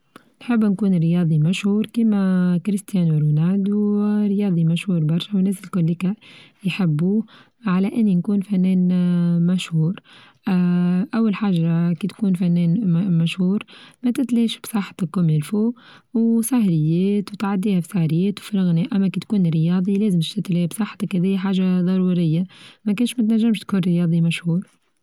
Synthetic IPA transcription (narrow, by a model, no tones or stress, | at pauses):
nħɪbːnkuːnɾɪjɑːd̪ˤimaʃhuːɾkiːmakɾɪst̪jæːnwɪɾunaːd̪wɾɪjɑːd̪ˤimaʃhuːɾbɑɾˤʃawnːɛːsɪlkʊlːikajħɪbːu | ʕalæʔɪnːinkuːnfænːɛːnmaʃhuːɾ | ʔawːalħaːʒːakit̪kuːnfanːɛːnmæʃhuːɾmæt̪ɪt̪liːʃbsˤɑħːt̪ɪkːʊmɪlfuː | wsahɾɪjːɛːt̪wt̪ʕad̪ːiːhafi̥sahɾɪjːɛːt̪wfilɣnɛːʔæmːækit̪kuːnɾɪjɑːd̪ˤileːzɪmʃt̪ɪt̪liːbsˤɑħːt̪akhɛðiːjħaːʒaðˤɑɾˤuːɾɪjːamækʊnʃmæt̪naʒːamʃt̪kuːnɾɪjɑːd̪ˤimaʃhuːɾ